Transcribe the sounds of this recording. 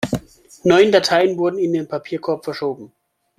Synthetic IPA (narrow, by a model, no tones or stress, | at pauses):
nɔʏəndatʰaɪənvʊɐdn̩ɪndeːnpʰapʰiːɐkʰɔɐpfɛɐʃoːbm̩